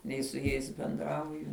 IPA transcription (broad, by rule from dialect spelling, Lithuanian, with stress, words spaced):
ˈnʲɛɪ sʊ ˈjɛɪs bʲɛnˈdrɐʊjʊ